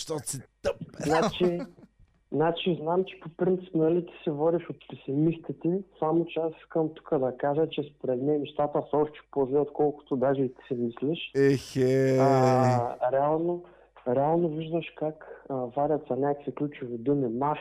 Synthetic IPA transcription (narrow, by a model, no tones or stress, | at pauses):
ʃt̪ɔsit̪əp̪nat͡ʃi | znat͡ʃiznamt͡ʃɛ̥popɾint̪si̥pnɐlit̪i̥sɛvɔd̪iʃot̪pɛsɪmist̪it̪isamot͡ʃɛasi̥skəmt̪u̥kəd̪ɐkaʒət͡ʃɛspoɾɛt̪mɛnɛʃt̪at̪əsɔʃt̪ɛ̥pozliot̪kɔlˠkʊ̥t̪od̪aʒɛit̪i̥sɛmislɛʃexe | ɾɛalˠno | ɾɛalˠnoviʒd̪ɐʃkakəvaɾʲɐt̪sɐnʲakkviklʲut͡ʃʊvid̪umima